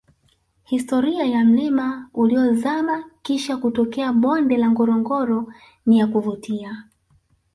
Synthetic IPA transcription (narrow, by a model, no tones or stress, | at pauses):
histɔɾiajam̩lɛmauliɔzamakiʃakutɔkɛaɓɔndɛlaŋɡɔɾɔŋɡɔɾɔ | nijakuvutia